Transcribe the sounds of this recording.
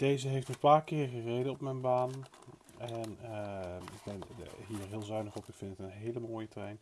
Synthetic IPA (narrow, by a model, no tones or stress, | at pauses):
d̥ejzəɦejftənpaːɹkɪːɹχərejdəɔpmɛjnbaːn | ɛn | ɪɡ̚bɛnɦiːɹɦɪːlˠzœɥnəχɔpɪkfɪntətənɦejləmoːjətrɛjn